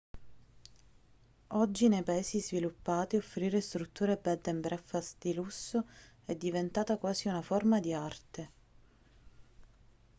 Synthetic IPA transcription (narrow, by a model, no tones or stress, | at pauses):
ɔd͡ʒːinejpaeːsizvilupːaːt̪iofːɾiːɾest̪ɾut̪ːuːɾebɛd̪ːɛmbɾɛfːasd̪ilusːo | ɛd̪ːivent̪aːt̪akwaːziunaformad̪iart̪e